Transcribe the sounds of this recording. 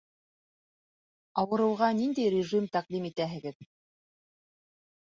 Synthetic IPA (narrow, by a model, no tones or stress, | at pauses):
ɑwɤ̆ɾɤ̆wʁɑnind̪æjɾʲɪʐimt̪æqd̪imit̪æɦɘ̆ɡɘð